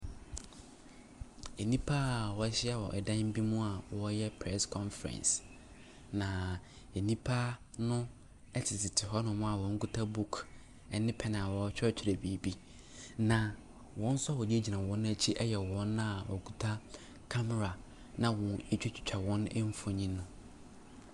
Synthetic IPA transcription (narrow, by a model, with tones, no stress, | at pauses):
e˨nĩ˦pʰa˦˨wɔ˨˦ɕɪ˦a˨wɔ̰˨ʔɛ̰˨dã˦n˦m̩˦bi˦mũ˦a˨wɔ˦jɛ˦pʰɾɛ˦skʰɔ̃˦nfɛ̰̃˨ns | nã˨ | e˨nĩ˦pʰa˦ | nʊ̃˦ | ɛ˦tʰɪ˨tʰɪ˨tʰɪ˨ɦɔ˦nʊ̃˨mʊ̃˦a˨wɔ̃˨˦ŋ̩˦ku˦tʰa˦bu˦kʰ | ɛ˨nɪ̃˦pʰɛ˦nã˨wɔ˨˦t͡ɕᶣɛ˦t͡ɕʰi˨ɾe˨bi˨˦˨bi˦ | nã˨ | wɔ̃˦n̩˦sʊ˦a˦˨wɔ˨di˦e˦d͡ʑi˨nã˨wɔ̃˦ñ˦æ˦t͡ɕʰi˦ʔɛ˦jɛ˨wɔ̃˨˦nːã˦a˨wʔɔ̰˨ku˦tʰa˦ | kʰa˦mɛ˨ɾa˨ | nã˦wɔ̃˨e˦t͡ɕᶣɪ˦t͡ɕʰᶣɪ̥˨t͡ɕᶣʰa˨wɔ̃˦nɛ̰˦m̩˦fɔ˨ɲĩ˦nʊ̃˦